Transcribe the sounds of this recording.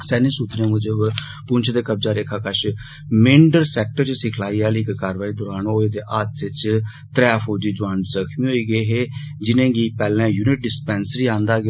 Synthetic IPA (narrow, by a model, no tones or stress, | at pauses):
sɛːnĩːsuːt̪ɾẽːmʊd͡ʒə | pʊnt͡ʃʰd̪eːkəb̚d͡ʒaːɾeːkʰaːkəʃ | mɪɳɖəɾsɛːk̚ʈəɾt͡ʃsɪkʰlaːiːaːliːkkaːɾʋaːiːd̪ʊɾaːnoːeːd̪eːʔaːt̪ɪt͡ʃ | t̪ɾɛːfoːd͡ʒiːd͡ʒʊaːnzəkʰmiːɦoːiːɡiːɦeː | d͡ʒɪnẽːɡiːpɛːlɛ̃ːjuːnɪʈ̚ɖɪspɛ̃ːnsɾiːãːnd̪aːɡ